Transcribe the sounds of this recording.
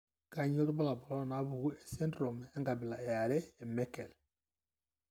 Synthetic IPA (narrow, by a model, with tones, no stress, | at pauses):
ka˨ɲo˦ɾu˦ba˦la˨bɔ˨lɔ˦na˨˦bu˨ɡu˦ɛ˨se˦ndɾo˨m˨ɛ˦ŋɡa˨bi˨la˨ɛ˨ja˨lɛ˦ɛ˨mɛ˦kɛ˨l